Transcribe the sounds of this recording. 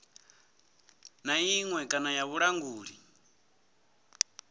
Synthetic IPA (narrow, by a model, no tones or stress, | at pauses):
naiŋwɛkʼanajaβuɺaŋɡuːɺi